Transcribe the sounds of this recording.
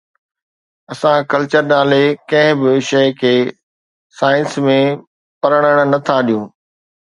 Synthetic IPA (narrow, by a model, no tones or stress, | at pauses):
ɐsãkɐlt͡ɕəɾnaːlekɐ̃ɦɪ̃bɪʃɐɪkʰeː | saːɪnsmẽ | pɐɾəɽ̃əɽ̃nɐt̪ʰaɗijũː